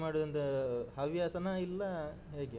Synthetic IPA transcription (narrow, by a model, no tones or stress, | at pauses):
maːɽud̪ɐnt̪ɐɦɐʋjaːsɐnɐilːɐ | ɦe̞ːɡe